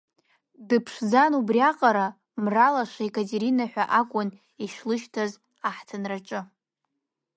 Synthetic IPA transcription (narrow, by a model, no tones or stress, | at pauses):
dɨpʰʂd͡zanubriaqʼaɾa | mralaʂaikʼatʼeɾinaħʷᶣaʔakʷʼʊn | iʃlɨʃtʰaz | aħtʰanraʈ͡ʂʼɨ